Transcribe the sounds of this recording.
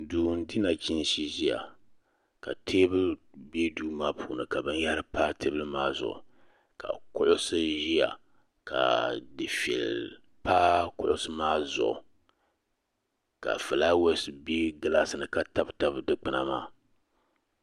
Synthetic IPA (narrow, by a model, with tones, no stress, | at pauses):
duː˨n˦di˦na˨t͡ʃi˦n˦ʃi˦ʒi˦ja̰˨ | ka˨tʰeː˦bɨ˦be˦duː˦maː˦pʰuː˨nɨ˨ka˨bɨ˦nja˦ɾɨ˦pa˦tʰe˦bɨ˦lɨ˦maː˦zʊ̰˨ʔʊ̰˨ | ka̰˨kʊ˦ʔʊ˦sɨ˦ʒi˦ja̰˨ | ka̰˨dɨ˨fi˨ɛ̰˨l | paː˦kʊ˦ʔʊ˦sɨ˦maː˦zʊ̰˨ʔʊ̰˨ | ka̰˨fɨ˨la˦wɛ˦sbe˦ɡɨ˨la˦sɨ˨nɨ˨ka˦ta˦bta˦bɨ˨dɨ˦k͡pɨ˨na̰˨ma̰ː˦